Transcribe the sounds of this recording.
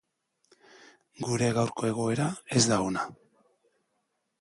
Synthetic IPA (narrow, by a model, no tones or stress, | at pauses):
ɡuɾe̞ɣawɾko̞e̞ɣ̞o̞e̞ɾae̞zd̪aona